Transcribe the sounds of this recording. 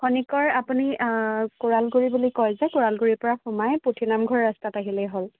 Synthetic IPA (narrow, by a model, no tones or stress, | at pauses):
kʰɔnikɔɹapunikoɹalɡuɹibulikɔjzɛkuɹalɡuɹipɔɹaxumajputʰinamɡʱɔɹːastataɦilɛjɦol